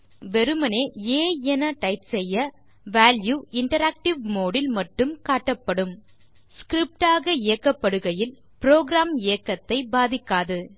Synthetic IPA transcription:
ʋɛɾɯmɐneːeːɛnɐʈɐɪpsɛjːɐ | ʋaːljuːɪɳʈɐɾaːk̚ʈɪʋmoːɽɪlmɐʈːɯmkaːʈːɐpːɐɽɯm | skɾɪp̚ʈaːɣɐɪjɐkːɐpːɐɽɯɣɐjɪl | pɪɾoːɡɾaːmɪjɐkːɐt̪ːɐɪbaːðɪkːaːðɯ

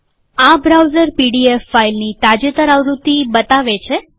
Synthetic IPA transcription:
abɾawzəɾpiɖiefːailnit̪ad͡ʒət̪əɾaʋɾut̪ibət̪aʋet͡ʃʰe

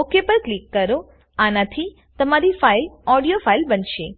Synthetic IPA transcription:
okepəɾklikːəɾo | anat̪ʰi | t̪əmaɾifailɔɽijofailbənʃe

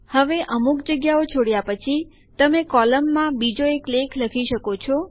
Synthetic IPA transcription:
həʋeʔəmuk̚d͡ʒəɡjaot͡ʃʰoɽjapət͡ʃʰi | t̪əmekɔləmːãbid͡ʒoeklekʰləkʰiʃəkot͡ʃʰɔ

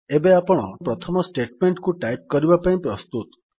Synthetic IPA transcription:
ebeapɔɽ̃ɔpɾɔt̪ʰɔmɔsʈeʈmeɳʈkuʈajp̚kɔɾibapaĩpɾɔst̪ut̪

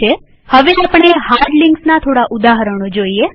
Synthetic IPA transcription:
e | həʋeapɳ̃eɦaɾɖlɪŋksnat̪ʰoɽaʔud̪aɦəɾəɳ̃od͡ʒoie

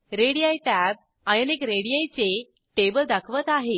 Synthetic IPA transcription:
ɾeɽijajʈæb̚ | ajənekɾeɽijajt͡se | ʈebəld̪akʰʋət̪aɦe

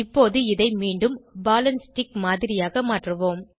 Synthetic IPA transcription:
ɪpːoːðɯɪðɐɪmiːɳɖɯmbaːlɐnsʈɪkmaːðɪɾɪjaːɣɐmaːʈrɯʋoːm

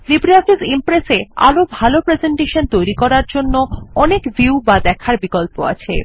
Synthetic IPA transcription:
libɾiafisimpɾesea̰lobʱalopɾezeɳʈeʃont̪ojɾikɔɾaɾd͡ʑonːoɔnekbiubad̪ɛkʰaɾbikolpoa̰t͡ɕʰḛ

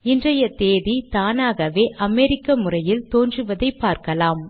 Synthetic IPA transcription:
ɪndrɐjɐt̪eːðit̪aːnaːɣɐʋeːʔʔɐmɛɾɪkːɐmɯrɐjɪlt̪oːndrɯʋɐðɐɪpːaːɾkɐlaːm

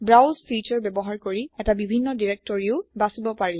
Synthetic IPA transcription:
bɹawzfit͡ʃɔɹbɛbɔɦaɹkoɹiɛtabibʱinːɔdiɹek̚tɔɹiʊbasibɔpaɹil

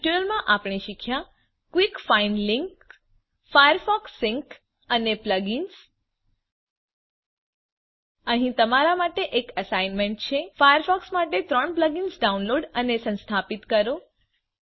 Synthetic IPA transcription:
ʈunəlmãʔapɳ̃iʃikʰjã | kʋikfainliŋk | fajəɾfɔksɪŋk | ənepləɡins | əɦĩt̪əmaɾamaʈeʔekəsainmẽɳʈ̚t͡ʃʰefajəɾfɔksmaʈet̪ɾəɳpləɡinsɖaunloɖənesə̃nst̪ʰapit̪kəɾo

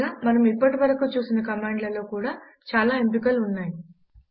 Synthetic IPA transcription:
aːmɐnɐmipːɐʈiʋɐɾɐkut͡ʃuːsinɐkɐmaːɳɖlɐlo̞ːkuːɽaː | t͡ʃaːlaːempikɐlunːaːji

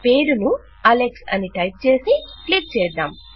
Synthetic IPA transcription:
peːɾunu | ɐleksɐ̰niʈɐjp̚t͡ʃe̞ːsiʈlik̚t͡ʃɛːd̪a̰ːm

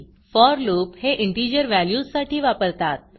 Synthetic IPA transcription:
fɔɾloːpheʔɪɳʈiɾijəɾʋæljuːssaʈʰiːʋapəɾt̪at̪̚

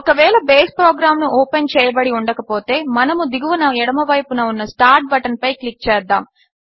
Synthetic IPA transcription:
ɔkɐʋɛːlɐbeːspɾoːɡɾaːmnuʔoːpent͡ʃɛːjɐbɐɽiuɳɖɐkɐpo̞ːt̪e̞ːmɐnɐmud̪iɡuʋɐnɐɛɽɐmɐʋɐjpunɐunːɐsʈaːɾʈ̚bɐʈɐnpɐjklik̚t͡ʃɛːd̪ːa̰ːm

